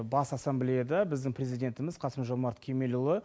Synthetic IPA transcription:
bɑsɑsːamblejad̪ɑbɪzd̪ɪŋpʰɾʲezijdʲe̞nt̪ɪmɪzqʰɑsəmʒomɑɾt̪kʲʰeme̞lulˠə

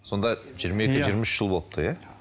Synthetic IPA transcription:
so̞nd̪ɑʒijːɾmɑje̞kʲɪʒijɾmɪʃʃʒəlˠbo̞lˠəp̚t̪əja

